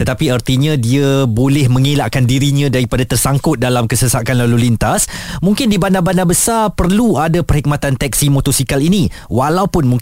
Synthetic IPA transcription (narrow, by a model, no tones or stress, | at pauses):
t̪ət̪apiərt̪iɲãdiabolɛhmə̃ŋelaʔkandiɾiɲãdaɾipadat̪ərsaŋkʊt̪̚dalamkəsəsakanlalulint̪asmuŋkɪndibandabanabəsarpərluadapərhik̚mat̪ant̪ɛk̚simot̪osikaliniwalawpʊnmuŋ